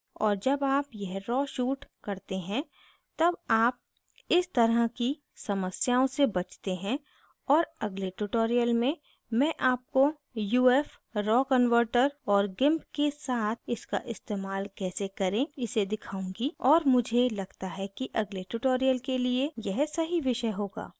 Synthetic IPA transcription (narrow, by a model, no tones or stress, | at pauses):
ɔːɾd͡ʒɐbaːpjɛɦɾɔːʃuːʈkɐɾt̪eɦɛ̃ | t̪ɐbaːp̚ | ɪst̪ɐɾəki | sɐməsjaːõsebɐt͡ʃt̪eɦɛ̃ | ɔːɾɐɡleʈuʈoːɾijəlmẽ | mɛ̃ːʔaːp̚ko | juːɛf | ɾɔːkənʋəɾʈəɾɔːɾɡɪ̃mpkesaːt̪ʰɪska̰ʔɪst̪eːmaːlkɛːsekɐɾẽɪsed̪ɪkʰaːũːɡiɔːɾmʊd͡ʒʱelɐɡt̪aɦɛkiʔɐɡleʈuʈoːɾijəlkeliejɛɦsɐɦiʋɪʃəɦoːɡa̰ː